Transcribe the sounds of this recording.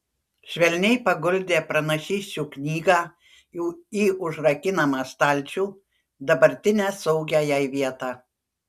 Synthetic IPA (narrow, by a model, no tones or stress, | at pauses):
ʃʲʋʲɛlʲnʲɛɪpɐɡʊlʲd̪ʲeːpɾɐnɐʃʲiːsʲt͡ʃʲuːknʲiːɡɑː | juːiːʔʊʒɾɐkʲɪnɐmɑːst̪ɑˑlʲˑt͡ʃʲuː | d̪ɐbɐɾʲt̪ʲɪnʲæːsɔʊɡʲæːjɛɪʋʲiɛt̪ɑː